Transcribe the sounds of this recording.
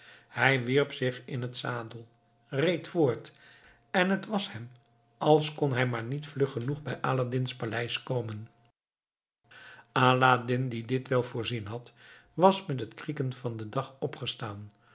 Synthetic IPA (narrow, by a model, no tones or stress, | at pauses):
hɛjʋiɹpsɪχɪnɦətsaːdəlˠ | rejtfʊːɹt | ɛnɦətʋɑshɛm | ʔɑlˠskɔnɦɛjmaːɹnitflɵχənuχbɛjʔaːladɪnspalɛjskowmən | aːladɪndidɪtʋɛlˠvʊːɹzinɦɑtʋɑsmɛt̬ɦətkrikənv̥ɑndədɑχɔpχəstaːn